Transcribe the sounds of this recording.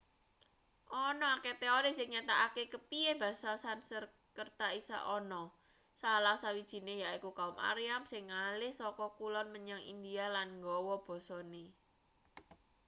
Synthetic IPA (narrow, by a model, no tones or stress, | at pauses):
ʔɔnɔaket̪eɔɾisɪŋɲat̪aʔakekəpieb̥a̤sasansər | kərt̪aisa̰ʔɔnɔ | salahsawid̥ʒ̥i̤nehjaikukaʊmʔa̰ɾiamsɪŋːalɪhsɔkɔkulɔnməɲaŋḭnd̪ialanŋɡɔwɔb̥ɔ̤sɔne